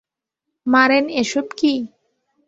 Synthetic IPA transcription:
maɾeneʃobki

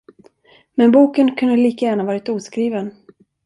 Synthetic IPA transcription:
mɛnbuːkənkʰɵnd̪əliːkajæːɳavɑːɾɪt̪uːskɾiːvən

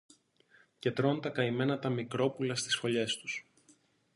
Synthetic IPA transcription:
ce̞t̪ɾo̞nt̪ɐkɐime̞nɐt̪ɐmikɾo̞pulɐst̪i̥sfo̞ʎe̞st̪u̥s

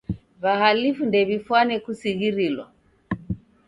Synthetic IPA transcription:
βahalifundɛβifwanɛkusiɣiɾilwa̰

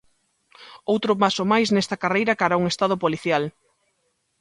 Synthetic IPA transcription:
owt̪ɾʊpasomajsnɛst̪ɐkarejɾɐkaɾauŋest̪aðopoliθjal

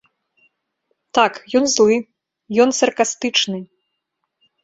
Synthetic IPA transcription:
t̪akjɔnzlˠɨ | jɔnsɐrkast̪ɨt͡ʂnɨ

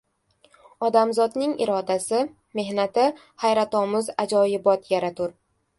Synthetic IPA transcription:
ɒd̪amzɒd̪nɪŋɪ̰ɾɒd̪asɪ | me̞hnat̪ɪ | hajɾat̪ɒmʊzad͡ʒɒjɪbɒt̪jaɾat̪ʰʊɾ

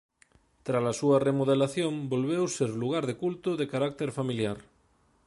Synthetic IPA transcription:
t̪ɾasasuɐremoð̞elaθjõmbolβ̞ewseɾluɣ̞aɾðekult̪ʊðekaɾak̚t̪eɾfamiljaɾ

